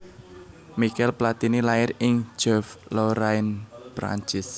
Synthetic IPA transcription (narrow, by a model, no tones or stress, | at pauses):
mikɛlplat̪inilaɪɾɪŋ̥d͡ʒ̥ɛflɔɾaɪnpɾa̰ɲt͡ʃɪs